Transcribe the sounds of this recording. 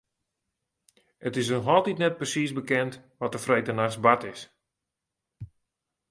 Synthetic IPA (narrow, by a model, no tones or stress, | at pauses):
ətɪs̬nɔxɔlˠtitnɛt̚prəsisbəkɛntʋɔtəfrejtənaxsbatɪs